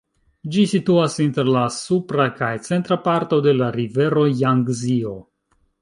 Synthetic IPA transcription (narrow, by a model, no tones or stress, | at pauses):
d͡ʒisituasinte̞ɾlasupɾakajt͡se̞ntɾapaɾto̞de̞laɾive̞ɾo̞jaŋɡzio̞